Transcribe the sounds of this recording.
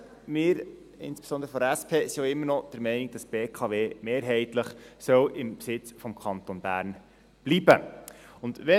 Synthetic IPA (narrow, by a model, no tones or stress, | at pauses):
mɪːɾ | ɪ̰nspe̥sɔnd̪əɾəfɔɾæspʰeːsioɪmːəɾnɔd̥əɾmɛɪniɡ̚d̥ɑsb̥eːkʰɑʋeːmeːɾɦɛɪt̪ləχsœwʔɪmpsɪt͡sfɔmkʰɑnt̪onbæ̰ːɾn | b̥libə̰ʊnd̪ʋɛ